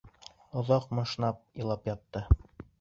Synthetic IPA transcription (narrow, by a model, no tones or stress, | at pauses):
ŏðɑqmɤ̆ʃnɑp̚ĭlˠɑpjɑt̪ːɤ